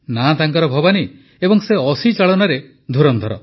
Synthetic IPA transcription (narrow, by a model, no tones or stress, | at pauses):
nat̪aŋkɔɾɔbʱɔbani | ebɔŋseɔsit͡ʃaɭɔnaɾe | d̪ʱuɾɔnd̪ʱɔɾɔ